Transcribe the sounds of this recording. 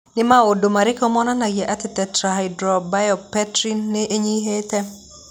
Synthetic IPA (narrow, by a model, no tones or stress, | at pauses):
nɪmaodomaɾɪkɔmɔnanaɡjɛʔatɪtɛtɾaɦajdɾɔbajɔpɛtɾinːɪʔeɲiɦetɛ